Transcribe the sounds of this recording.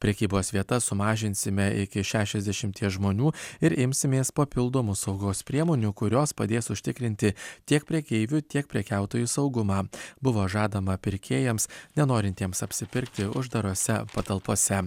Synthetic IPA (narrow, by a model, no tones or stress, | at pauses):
pʲɾʲɛkʲiːboːsʋʲiɛt̪ɐsʊmɑːʒʲɪnʲsʲɪmʲɛɪkʲɪʃʲæːʃʲɛzʲd̪ʲɛʃʲɪmʲt̪ʲiɛsʒmoːnʲuːɪɾʔɪmʲsʲɪmʲeːspɐpʲɪlˠd̪oːmʊsɒʊɡoːspʲɾʲiɛmoːnʲukʊɾʲoːspɐd̪ʲeːsʊʃʲt̪ʲɪkɾʲɪnʲt̪ʲɪt̪ʲiɛk̚pʲɾʲɛkʲɛɪʋʲut̪ʲiɛkpʲɾʲɛkʲæˑʊt̪oːjuːsɐʊɡʊmɑːbʊʋoːʒɑːd̪ɐmɐpʲɪɾʲkʲʰeːjɛmsnʲɛnoːɾʲɪnʲt̪ʲiɛmsɐpʲsʲɪpʲɪɾʲkt̪ʲɪʊʒd̪ɐɾoːsʲɛpɐt̪ɐlˠpoːsʲɛ